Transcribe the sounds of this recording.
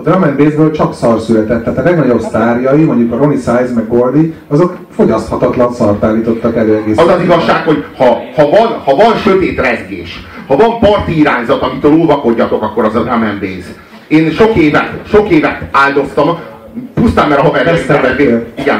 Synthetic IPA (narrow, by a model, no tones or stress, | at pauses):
d̪rɒmɛnbeːzbøːlt͡ʃɒksɒrsylɛt̪ɛt̪ːaːt̪ɒlɛɡnɒɟo̞bst̪aːrjɒjimoɲɟukɒɾonisaːjzmɛɡːold̪iɒzo̞k | fo̞ɟɒst̪hɒt̪ɒt̪lɒnsɒrt̪aːlːiːt̪o̞t̪ːɒkɛløːɛɡeːsɒzɒziɡɒʃʃːaːkho̞ɟhɒhɒvɒnhɒvɒnʃøt̪eːt̪rɛzɡḛːʃ | hɒvɒmpɒrt̪iiɾaːɲzɒt̪ɒmit̪øːlulvɒko̞ɟːɒt̪o̞kɒkːo̞ɾɒzɒd̪rɒmɛnbeːz | eːnʃo̞keːvɛt̪ʃo̞keːvɛt̪aːld̪o̞st̪ɒm | pust̪aːmmɛɾɒɦɒmɛɾɛmɛmbeiɡɛn